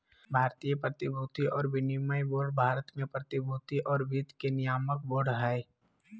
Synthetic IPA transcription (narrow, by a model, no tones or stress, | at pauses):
bʱaːɾt̪ijəpɾət̪ɪbʱuːt̪iʔɔːɾbɪnimaiboːɾɖbʱaːɾət̪mẽpɾət̪ɪbʱuːt̪iʔɔːɾbit̪kenɪjaːmək̚boːɾɖɦɛː